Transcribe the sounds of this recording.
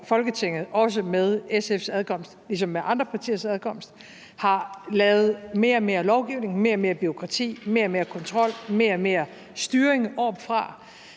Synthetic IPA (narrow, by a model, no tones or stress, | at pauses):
fɒ̽lɡ̥ət͡sʰe̝ŋ̰ð̞̩ˠɒ̽s̬əmeð̞ˠesefsæðˠkʰɒ̽m̰sd̥lis̬ɒ̽mːeʔɑ̈nd̥ʁɐpʰɑ̈t͡sʰḭːɐsæð̞ˠkʰɒ̽m̰sd̥ | hɑ̈lɛːʊð̞̩ˠme̝ːɐme̝ːɐlɒʊɡ̥iʊne̝ŋme̝̰ːɐme̝ːɐb̥yʁo̝kʰʁɑ̈t͡sʰḭːme̝ːɐme̝ːɐkʰɒ̽nt͡sʰʁɒ̽l̰me̝ːɐme̝ːɐ | sd̥yːɐeŋʔɒb̥fʁɑ̈